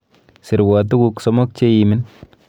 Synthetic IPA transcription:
sɪ˨ɾwɔ˨t̬u˦ku˨ksɔ˦mɔ˦k̚t͡ʃe˦jimɪ˦n

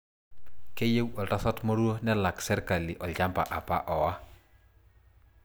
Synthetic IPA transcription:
ke˦je˦wɔ˨lta˦sɔ˦tmɔ˦ɾu˦o˦nɛ˦la˨ksɛ˦ɾka˨lɪ˨ʔɔ˨lɟa˦mpa̰˨ʔa˨pa̰˦ʔɔ˨wa˦

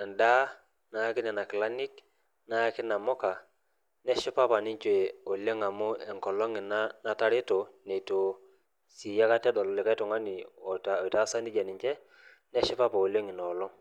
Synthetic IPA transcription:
a˨nda˦ | na˦kɪ˦nɛ˨na˨kɪ˨la˦nɪ˦k | na˦kɪ˦na˨mʊ˦ka˨ | nɛ˦ʃɪ˦pa˦pa˨nɪ˦ɲt͡ʃe˨o˨le˦ŋa˨mʊ˦ɛ˨ŋkɔ˨lɔ˦ŋɪ˨na˦na˦ta˦ɾɪ˦to˨ne˨to˨ | si˨ja˦ka˦tɛ˦dɔ˨lɔ˨lɪ˨ka˦jtʊ˨ŋa˦nɪ˨o˨ta˨jta˦sa˦ndɪ˦d͡ʒɛ˨nɪ˨ɲt͡ʃɛ˦ | nɛ˦ʃɪ˦pa˦pa˨o˨le˦ŋɪ˨nɔ˨lɔ˦

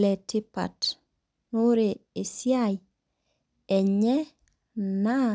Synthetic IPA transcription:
lɛ˨tɪ˦pa̰˨t | no˦ɾe˨e˨sja˦j | ɛ˨ɲɛ˦ | na˦

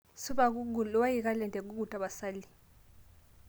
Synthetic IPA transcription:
su˦ɓauu˨lwa˦jik̬ʼa˦lɛ˨ntʼɛ˨k̬ʼu˦k̬u˨tʼa˨ɓa˨saː˦li˨

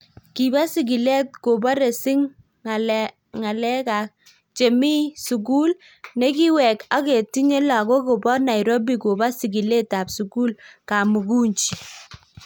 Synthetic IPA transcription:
ki˨ba˦si˨ɡ̬i˨le˦t̚ko˨ba˦ɾe˨sɪ˦ŋ | ŋa˨lɛ˦ | ŋa˨lɛ˦ka˨ | t͡ʃe˨mi˦su˨ɡu˦l | ne˦ki˦wɛ˨ka˦ke˨ti˦ɲe˦la˨ko˦ko˨bɔ˦na˨jɾo˦bi˨ko˨ba˦si˨ɡi˨le˦ta˨psu˨ku˦lka˨mu˨ku˦ɲt͡ʃi˨

